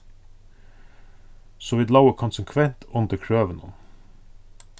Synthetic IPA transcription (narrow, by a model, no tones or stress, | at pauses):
soːʋiːd̪lɑʊəkʰʊnsəŋkʰʋɛnt̪ʰʊnd̪əkʰɹøːʋənʊn